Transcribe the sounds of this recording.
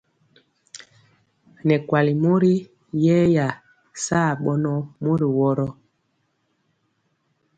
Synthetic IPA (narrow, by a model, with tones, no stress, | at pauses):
nɛ˨kwa˨li˨mo˦ɾi˦ | jɛ˦ja˨ | sa˦˨ɓɔ˦nɔ˦mo˦ɾi˨wɔ˦ɾɔ˦